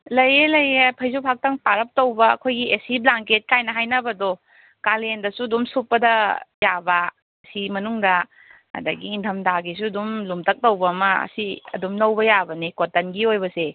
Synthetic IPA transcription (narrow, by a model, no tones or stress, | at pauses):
lɐjelɐjepʰɐjzupʰak̚tɐŋpaɾɐp̚towbɐɐ̰kʰojɡiʔesiblaŋket̚kajnɐɦajnɐbɐdo | kalendɐsuɐdumsupːɐdɐjabɐː | simɐnuŋdɐ | ɐ̰dɐɡiːntʰɐmdaɡis̬uɐdumlumtɐk̚towbɐːmɐɐ̰siɐ̰dumlɐwbɐjabɐnikotɐnɡiojbɐse